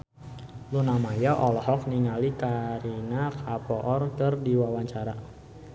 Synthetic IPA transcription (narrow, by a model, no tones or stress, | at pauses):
lunamajaʔɔlɔhɔk̚niŋalikaɾinakʰapɔʔɔrkərdiwawaɲt͡ʃaɾa